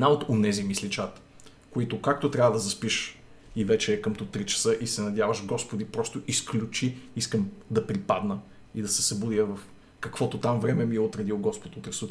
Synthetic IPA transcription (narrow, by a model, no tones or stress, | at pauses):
ɛnaot̪onɛzimislit͡ʃat̪ | koit̪ʊkak̚t̪ot̪ɾʲavəd̪ɐzɐspiʃ | ivɛt͡ʃɛːkəmt̪ut̪ɾit͡ʃɐ̥sɤʔisɛnɐd̪javəʃɡɔspod̪ipɾɔst̪ʊʔisklʲut͡ʃiiskəmd̪ɐpɾipad̪nə | id̪ɐsɛsɐbud̪ijəvɐf | kɐkv̥ɔt̪ot̪amvɾɛmɛmiɛot̪ɾɛd̪ilˠɡɔspot̪ot̪ɾɛsut̪